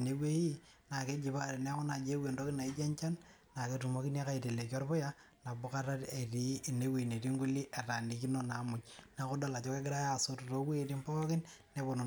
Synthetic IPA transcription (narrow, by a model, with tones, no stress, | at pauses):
ne˨˦we˦i˦ | na˨ke˦d͡ʒɪ˨pa˦ɾe˨n˦a˦kɔ˦na˨d͡ʒe˦we˨ndo˦kɪ˦na˨ɪ˦d͡ʒɛ˦ɲt͡ʃa˦nː | a˨ke˨tu˨mo˦kɪ˦n˦a˦ka˦i˨ti˨le˨kɔ˦ɾpʊ˦ja˦ | na˨bʊ˦ka˦ɾa˦te˨ti˨˦˨ne˦wi˨ne˨ti˦ŋɡu˦li˦ʔa˨ta˨ni˨˦ki˦no˦na˨˦mʊ˦t͡ʃna˨ko˦da˦la˨t͡ʃɔ˦ke˦ɡɪ˦ɾa˦ja˦˨so˦tto˦we˦˨ti˦mpɔ˦kɪ˦nne˦bɔ˨n˨